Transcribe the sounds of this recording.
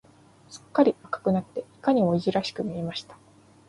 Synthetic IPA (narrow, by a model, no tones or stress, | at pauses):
sɨ̥kːaɾʲiakḁkɯ̟nat̪ːe̞ikaɲ̟imo̞iʑiɾaɕi̥kɯ̟mʲie̞maɕi̥t̪ḁ